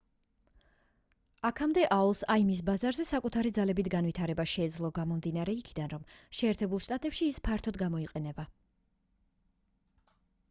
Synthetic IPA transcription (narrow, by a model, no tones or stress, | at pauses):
akʰamd̪ɛʔaɔlˠsaimis̬bazaɾzɛsakʼut̪ʰaɾid̪zalɛbit̪ʰɡanvit̪ʰaɾɛbaʃɛːd̪zlˠɔɡamɔmd̪inaɾɛikʰid̪anɾɔmʃɛːɾt̪ʰɛbulˠʃt̪ʼat̪ʼɛpʃiːspʰaɾt̪ʰɔd̪ɡamɔiqʼɛnɛba